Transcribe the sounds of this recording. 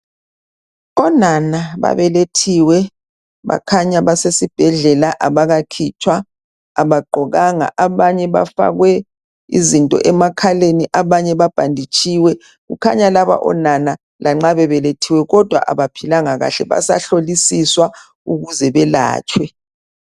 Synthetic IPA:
ɔnanaβa̰βɛletʰiwɛ | βa̰kʰaɲaβasesib̥ʱɛɮɛlaʔaβaɣakʰit͡ʃʰwaː | βaɡ͡ǃʱɔɣaŋa̰ʔaβaɲɛβa̰fa̰ɣwɛ | ḭzintʼɔ̰ʔɛmakʰaleniʔaβaɲɛβab̥ʱandʱit͡ʃʼiwɛ | ɣṵkʰa̰ɲalaβa̰ʔɔ̰nana | lʔaŋ͡ǁaβɛβɛletʰiwɛɣɔd̥ʱwa̰ʔaβapʰilaŋaɣa̰ɬɛβa̰sa̰ɬolisiswa | uɣuzɛβɛla̰ːt͡ʃʼwɛ

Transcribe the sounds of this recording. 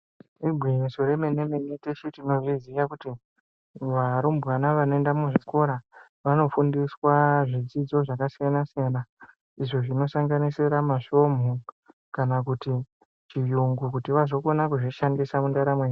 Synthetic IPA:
ibʱwisoɾemenemeneteʃitino̞ʐizijakuti | ʋaɾumbwanaʋanoendamuʐiko̞ɾa | ʋano̞fundiswaʐid͡zid͡zo̞ʐakasijanasijana | iʐo̞ʐino̞saŋɡanisiɾamaʃo̞m̤u | kanakuti | t͡ʃijuŋɡukutiʋazo̞ko̞nakuʐiʃandisamundaɾamwe

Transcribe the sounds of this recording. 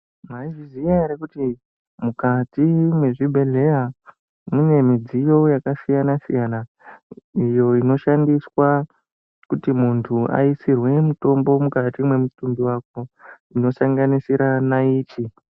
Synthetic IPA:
maiʐiziaɾekuti | mukatimwe̞ʐibʱe̞ɮe̞ja | mune̞mid͡zijo̞jakasijanasijana | ijo̞ino̞ʃandiswa | kutimuntʰuʔa̰isirwe̞muto̞mbo̞mukatimwe̞mutumbiwako | ino̞saŋɡanisiɾanaiːt͡ʃi

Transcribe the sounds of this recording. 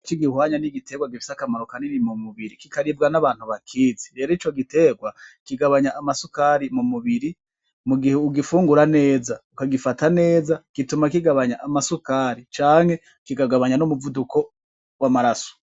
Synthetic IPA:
t͡ʃiɡihwaːɲaniɡite̞ɡwaɡifi̥sakamaɾokaninimumuβiɾikikaɾibɡanaβaːn̥huβakʰiːziɾe̞ːɾoit͡ʃo̞ɡite̞ːɡwakiɡaβaɲaʔːmasukaːɾimumuβiɾi | muɡiheuɡifuːŋɡuɾane̞ːzaukaɡifatane̞ːzakitumakiɡaβaɲaʔamasukaːɾit͡ʃaːŋ̥he̞ | kiɡaɡaβaɲanumuvuduko̞ | wamaɾaso̥

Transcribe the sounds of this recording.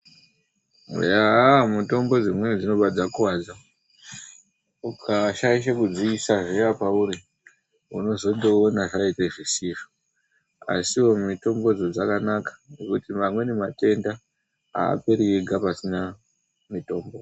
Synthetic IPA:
ṵjamuto̞mbo̞d͡zimwe̞nid͡zino̞ɓad͡zakuwaːd͡za | ukʰaʃaiʃ̬akud͡ziːsaʐeapauɾi | uno̞zo̞ɗo̞ːnaʐaiteʐisifu̥ | a̰siwo̞mito̞mbo̞d͡zod͡zakanakḁnekutimamwe̞nemate̞nda | a̰ːpe̞ɾijeɡʱapasina | mito̞ːmbo̞

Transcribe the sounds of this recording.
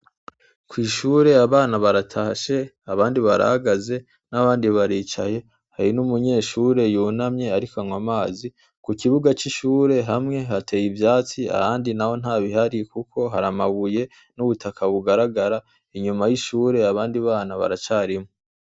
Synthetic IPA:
kwiːʃuːɾe̞aβaːnaβaɾatʰaʃe̞ | aβaːndiβaɾa̰haɡaze̞ | naβaːndiβaɾiːt͡ʃaje̞ | haɾinumuɲe̞ːʃuːɾe̞juːnamɲe̞aɾikaŋwamaːzi | kukiβuɡat͡ʃiʃuːɾe̞ɦamŋe̞ɦatʰe̞jivjaːt͡sia̰haːndinaho̞n̥haːβiɦaɾikukʰo̞ɦaɾamaɡuje̞ | nuβutʰakʰaβuɡaɾaɡaɾa | iɲumajiʃuːɾeaβaːndiβaːnaβa̰ɾat͡ʃaːɾimŋo

